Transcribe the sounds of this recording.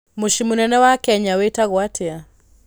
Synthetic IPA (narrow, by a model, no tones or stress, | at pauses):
muʃimunɛnɛwakɛɲawɛtaɣwatʰɛa